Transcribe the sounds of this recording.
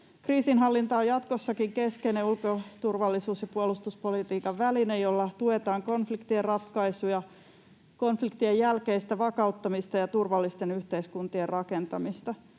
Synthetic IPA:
kriːsinɦɑlːint̪ɑːjɑt̪kosːɑkiŋkeskeneulkot̪urʋɑlːisuːsjɑpuolust̪uspolit̪iːkɑʋʋælinejjolːɑt̪uet̪ɑːŋkonflikt̪ierrɑt̪kɑisujɑ | konflikt̪iejjælkeist̪æʋɑkɑut̪ːɑmist̪ɑjɑt̪urʋɑlːist̪enyht̪eiskunt̪ierrɑkent̪ɑmist̪ɑ

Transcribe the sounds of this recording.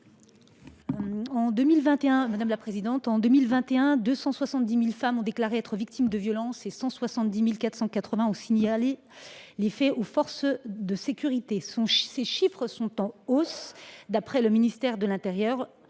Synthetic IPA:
ɑ̃d̪ømilvɛ̃t̪eɛ̃mad̪amlapχezid̪ɑ̃t̪ɑ̃d̪ømilvɛ̃t̪eɛ̃d̪øsɑ̃swasɑ̃t̪̚d̪imilfamɔ̃d̪eklaʁeɛt̪χəvik̚t̪ʰimd̪əvjɔlɑ̃sesɑ̃swasɑ̃t̪d̪imilkat̪χsɑ̃kat̪χəvɛ̃ɔ̃siɲale | lefɛofɔʁsd̪əsekʲyʁit̪esɔ̃seʃifχsɔ̃t̪ɑ̃osd̪apχɛləminist̪ɛʁd̪əlɛ̃t̪eʁjœʁ

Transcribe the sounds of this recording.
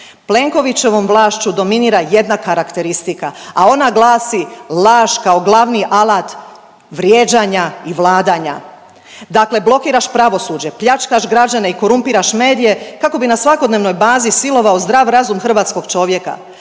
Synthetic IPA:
ple̞ŋko̞ʋit͡ɕe̞ʋo̞mʋlˠaːʃt͡ɕud̪o̞miniːɾaje̞d̪nakaɾakt̪e̞ɾist̪ikaao̞naɡlˠaːsilaːʒkao̞ɡlˠaʋniʔalˠaːt̪ | ʋɾjeːd͡ʑaɲaiʋlˠaːd̪aɲa̰ | d̪akle̞blˠo̞kiːɾaʃpɾaʋo̞suːd͡ʑe̞pʎat͡ʃkaʃɡɾad͡ʑaneiko̞ɾumpiːɾaʃme̞ːd̪ije̞kako̞binasʋako̞d̪neʋno̞jbaːzisilo̞ʋaozd̪ɾaːʋɾazumxr̩ʋaːt̪sko̞ɡ̥t͡ʃo̞ʋje̞ka̰

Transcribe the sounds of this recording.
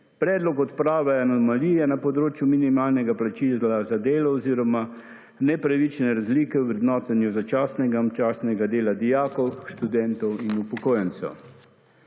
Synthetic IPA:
pɾɛːd̪lɔkɔt̪pɾaːʋɛanɔmalijɛnapɔd̪ɾoːt͡ʃjuminimaːlnɛɡaplat͡ʃilazad̪eːlɔɔziːɾɔma | nɛpɾaʋit͡ʃnɛɾazliːkɛwʋɾɛd̪nɔːt̪ɛnjuzat͡ʃaːsnɛɡat͡ʃaːsnɛɡad̪eːlad̪ijaːkɔwʃt̪ud̪ɛnt̪ɔwinupɔkoːjɛnt̪sɛ̰w

